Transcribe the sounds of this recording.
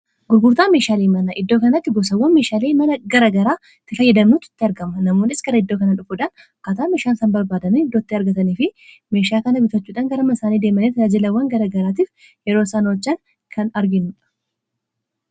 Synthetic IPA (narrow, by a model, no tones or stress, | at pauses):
ɡʊɾɡʊɾt̪aːmeːʃaːleːmɐnɐʔɪd̪ːo̞ːkɐnɐt̪ːɪɡɔsɐwːɐnmeːʃaːleːmɐnɐɡɐɾɐɡɐɾaː | t̪ːɪfɐjːɐd̪ɐmnuːt̪ɪ̥t̪ːɪɐɾɡɐmɐnɐmoːnɪsɡɐɾɐɪd̪ːo̞ːkɐnɐᶑʊfʊᶑɐn | kaːt̪aːmeːʃaːnsɐnbɐɾbaːd̪ɐniɪd̪ːoːt̪ːɪɐɾɡɐt̪ɐniːfɪ | me̞ːʃaːkɐnɐbɪt̪ɐt͡ʃːuːᶑɐːŋɡɐɾɐmɐsaːniːd̪eːmɐnet̪ad͡ʒɪlɐwːɐŋɡɐɾɐɡɐɾaːt̪̬iːf | jɛɾoːsaːnoːt͡ʃːɐn | kʰɐnɐɾɡɪnːuᶑɐ̥